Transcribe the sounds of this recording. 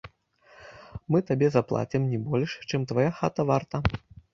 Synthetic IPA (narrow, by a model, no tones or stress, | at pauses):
mɨt̪abʲɛzaplˠa̰t͡sʲimnʲibɔlʲʂt͡ʂɨmt̪vajaxat̪ɐvart̪ɐ